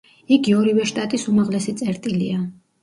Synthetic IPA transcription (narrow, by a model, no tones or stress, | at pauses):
iɡiɔɾivɛʃt̪ʼat̪ʼisumaʁlɛsit̪sʼɛɾt̪ʼilḭa